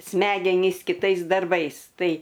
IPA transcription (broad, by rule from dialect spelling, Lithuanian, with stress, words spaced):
ˈsʲmʲæːɡʲɛnʲiːs kʲɪˈtɐɪs dɐrˈbɐɪs ˈtɐɪ